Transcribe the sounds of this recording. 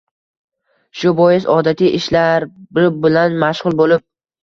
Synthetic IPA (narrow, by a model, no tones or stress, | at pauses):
ʃʊbɒjɪsɒd̪at̪ʰijʔɪʃlaɾbɪɪbɪlanmaʃʁʊlˠbolɪp̚